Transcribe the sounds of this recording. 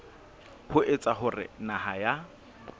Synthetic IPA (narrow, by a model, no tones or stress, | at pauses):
hʊʔet͡sʼaχʊrɪ̰naɦaja